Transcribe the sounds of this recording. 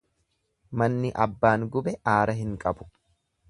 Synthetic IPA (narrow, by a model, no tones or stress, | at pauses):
mɐnːɪʔɐbːaːŋɡʊbɛʔaːɾɐɦɪŋkʼɐbʊ̥